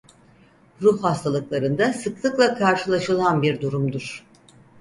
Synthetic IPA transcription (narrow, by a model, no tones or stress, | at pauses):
ɾuhhast̪ʰalˠɯklˠaɾɯnd̪asɯklˠɯklˠakʰaɾʃɯlˠaʃɯlˠanbiɾd̪uɾumd̪uɾ̥